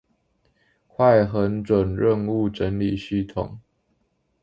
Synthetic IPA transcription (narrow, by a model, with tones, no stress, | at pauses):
kʰwa˥˨ɪxə˨˦nʈ͡ʂwə˨˩nɻə˥˧nu˥˨ʈ͡ʂə˨˦nli˨˩ɕy˥˨t̪ʰʊ̰˨˩ŋ